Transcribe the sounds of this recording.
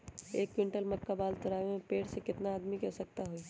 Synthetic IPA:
eːkːwɪ̃ɳʈəlmɐkːabaːlt̪ʊɾaːemẽpeːʈsekɪt̪naːd̪mikɛsɐk̚t̪aɦoi

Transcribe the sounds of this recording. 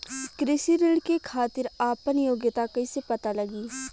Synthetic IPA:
kɾɪsiɾɪɽkekʰaːt̪ɪɾaːpənjoːɡjət̪akɐisepɐt̪alɐɡiː

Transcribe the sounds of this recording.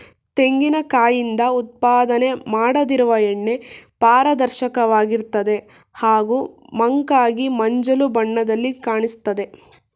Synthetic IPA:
t̪e̞ŋɡinɐkaːjind̪ɐut̪̚paːd̪ɐne̞maːɽɐd̪iɾuʋɐeɳːe̞paːɾɐd̪ɐɾʃɐkɐʋaːɡiɾt̪ɐd̪e̞ | haːɡuːmɐŋkaːɡimɐɲd͡ʒɐlubɐɳːɐd̪ɐlːikaːɳist̪ɐd̪e̞

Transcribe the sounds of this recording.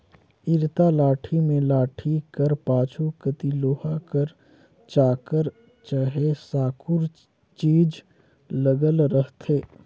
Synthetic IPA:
ɪɾt̪alaːʈʰimẽlaːʈʰikəɾpaːt͡ʃʰukət̪iloːɦakəɾ | t͡ʃaːkəɾ | t͡ʃaɦesaːkʰʊɾ | t͡ʃiːd͡ʒ | ləɡəlɾəɦt̪ʰeː

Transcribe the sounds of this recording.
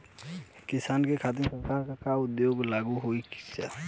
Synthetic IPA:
kɪsaːnkekʰaːt̪̬ɪmsəɾkaːɾkakaʊd̪joːɡlaːɡuɦoiksa

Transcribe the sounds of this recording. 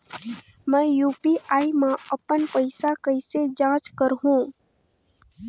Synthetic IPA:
mə̃ːjuːpiʔaːimãəpənpəɪsakəɪsed͡ʒãːt͡ʃkəɾɦũ

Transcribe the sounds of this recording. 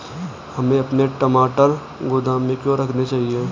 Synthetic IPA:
hɐmẽɐpneʈɐmaːʈəɾ | ɡʊd̪aːmːẽkjõɾɐkʰnet͡ʃaːɦie

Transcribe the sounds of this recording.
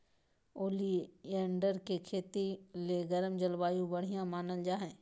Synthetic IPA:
oːliɛ̃ːɳɖəɾkekʰeːt̪ileɡəɾəmd͡ʒəlbaːjũbɐɽ̤ijãmaːnəld͡ʒaːɦɛ̃ː

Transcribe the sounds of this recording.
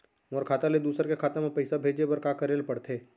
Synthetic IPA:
moːɾkʰaːt̪aled̪uːsəɾkekʰaːt̪emẽpɐɪsabʱeːd͡ʒebɐɾkaːkɐɾeːlpɐɽt̪ʰeː

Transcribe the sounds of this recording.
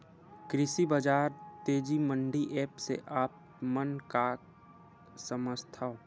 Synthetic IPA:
kɾɪsibəd͡ʒaːɾt̪eːd͡ʒimə̃ɳɖiʔɛːpsḛʔaːp̚ | mənka | səməst̪ʰa

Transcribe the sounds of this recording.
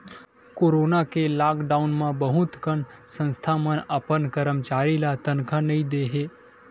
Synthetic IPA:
koːɾoːnakelaːkɖaːʊnmãbəɦʊt̪kənsə̃nst̪ʰamənəpənkəɾəmt͡ʃaːɾilat̪ənkʰanɐɦĩd̪eːɦeː

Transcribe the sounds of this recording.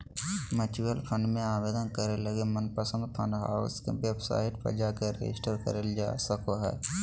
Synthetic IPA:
mət͡ʃuəlpʰə̃ɳɖmẽaːʋeːd̪ənkəɾeləɡemənpəsə̃nd̪pʰə̃nɖɦa̰ːoskḛʋebsa̰ːɦɪʈpʰə̰d͡ʒakeɾḛd͡ʒɪ̰sʈəɾkə̰ɾeld͡ʒa̰ːsəkoɦɛ̰ː

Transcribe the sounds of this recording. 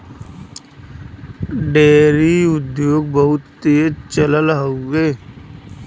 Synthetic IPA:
ɖeːɾiʊd̪joːɡ̚bəɦʊt̪ːeːt͡ʃələlɦoɡeː

